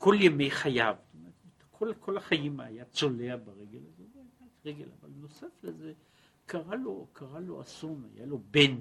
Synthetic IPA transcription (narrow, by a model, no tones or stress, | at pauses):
kʰo̞ljeme̞jχajavst̪omeʁet̪tkʰolkʰo̞laχajimajat͡sole̞abaʁeɡe̞lazeveatʁeɡe̞la̰valno̞safleze | kʰaʁalokʰaʁalo̞̰ʔasona̰ja̰lo̞ben